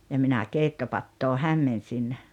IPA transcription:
jɑ minæ keitːopɑtːoː hæmːensin

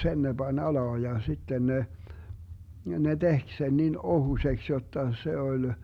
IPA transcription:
sen ne bɑnʲ ɑlɑː jɑ sitːen ne ne tehk sen nin ohusʲeks jotːɑ se olʲ

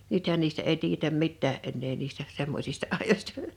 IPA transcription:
nythæn niːstæ ʔeˑi tiːjetæm mitːæː ʔenːeː niːstæ semːosʲistɑ ɑˑijosʲtɑ

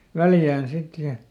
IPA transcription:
ʋæljæːn sit jɑ

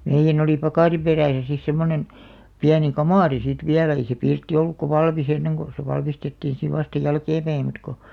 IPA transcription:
meijːæn oli pɑkɑˑri peræˑsæ sis semːonen piæni kɑmɑˑri sit ʋiælæ̆ ei se pirtːi olːukːɑ ʋɑlmis enːeŋ ko se ʋɑlmistetːiːĩ siʋ ʋɑstɑ jælkeːmpæi mut ko

